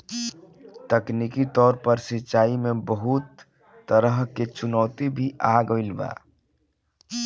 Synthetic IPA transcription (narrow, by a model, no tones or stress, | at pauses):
t̪əkniːkit̪ɔːɾpəɾsɪtːʃaːimẽbəɦʊt̪ː | əɾəɦket͡ʃʊnɔːt̪ibʱiʔaːɡoɪlba̰ː